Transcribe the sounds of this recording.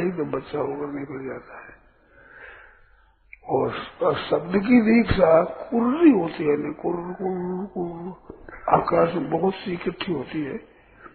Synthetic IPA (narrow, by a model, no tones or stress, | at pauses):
id̪obətːʃaokəɾnekəld͡ʒaːt̪aɦɛː | ɔːɾsɐbnek̬id̪eːkʰsakʊɾɾiɦoːt̪iɦɛnekʊɾkʊɾkʊɾ | a̰ːkaːsmbəɦʊt̪sikəʈʰːiɦoːt̪iɦɛː